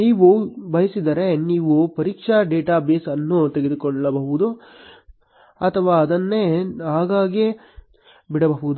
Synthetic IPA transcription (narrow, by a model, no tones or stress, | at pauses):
niːʋubɐjɐsid̪ɐɾe̞niːʋupɐɾiːkʂɐɖeːʈaːbeːsɐnːut̪eɡed̪ukoɳɖɐlɐbɐɦuʋud̪u | ɐt̪ʰɐʋaːɐd̪ɐnːeaːɡaːɡe | biɽɐbɐɦuʋud̪u